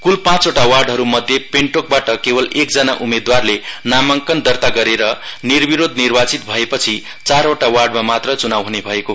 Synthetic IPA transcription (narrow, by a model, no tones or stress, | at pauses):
kulpãt͡soʈawarɖɦʌɾumʌd̪ʱjepeɳʈok̚baʈʌkebʌlekd͡zʌnaʔumed̪warlenamʌŋkʌnd̪ʌrt̪aɡʌɾeɾʌnirbiɾod̪ʱnirbat͡sit̪bʱʌepʌt͡sʰi | t͡saɾoʈawarɖmamat̪rʌt͡sunawɦunebʱʌeko